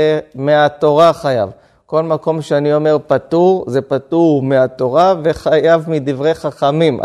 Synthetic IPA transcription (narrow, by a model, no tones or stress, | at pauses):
emeat̪o̞ʁaχaja̰v | ko̞lmako̞mʃeanio̞me̞ʁpat̪uʁze̞pat̪uʁmeat̪o̞ʁave̞χajavmid̪ivʁe̞jχaχamim̰